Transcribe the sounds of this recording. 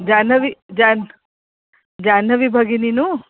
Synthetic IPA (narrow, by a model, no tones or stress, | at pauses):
d͡ʒanəʋid͡ʒan | d͡ʒanəʋibʱaɡininu